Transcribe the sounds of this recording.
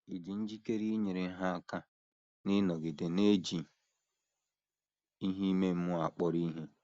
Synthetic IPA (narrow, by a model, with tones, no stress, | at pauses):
i˨di˨n̩˦d͡ʒi˦ke˦ɾi˦ɲe˨ɾɪ˨˦ɦa˦a˦ka˦ | nɪ˦nɔ˨ɡɪ˨dɪ˨ne˦d͡ʒi˨ | i˦ɦi˦me˦m̩˦mʊ˦a˨k͡pɔ˦ɾi˦ɦe˦